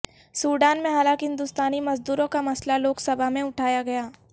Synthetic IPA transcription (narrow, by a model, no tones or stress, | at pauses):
suːɖaːnmẽɦaːlãːŋkɦɪ̃nd̪ʊst̪aːnimɐzd̪uːɾõkamɐslaloːksɐbʱamẽʊʈʰaːjaɡɐjaː